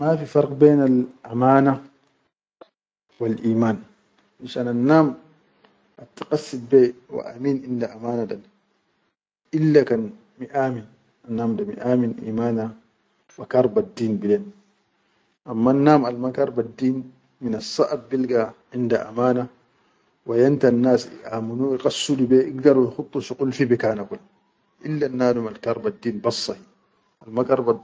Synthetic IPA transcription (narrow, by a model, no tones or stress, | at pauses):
mafifɑɾˤqbɛːnalʔamaːna | walʔiːmaːn | ʔaʃaːnanːaːm | ʔat̪ːḁqɑsːitbɛwa̰ʔa̰miːnʕɪndaʔamaːnaɗan | ʔilːakan | miʔaːmin | anːaːmdamḭʔaːminʔḭːmaːna | wakɑɾˤbadːiːnbilen | ʔamːanːaːmalmakɑɾˤbadːiːn | minasˤːɑʔabbilɡaʕɪndaʔa̰maːna | wajant̪anːaːsḭʔaːmunuiqɑsːulibeʔiɡdɑɾwjxut̪ˤːuʃiqulfibikaːnakulː | ʔilːanːaːdumalkɑɾˤbadːiːnbɑsˤːɑhi | almakɑɾˤba